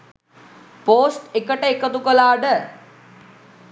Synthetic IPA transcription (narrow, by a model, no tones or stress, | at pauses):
poːsʈekəʈəekət̪ukəlaːɖə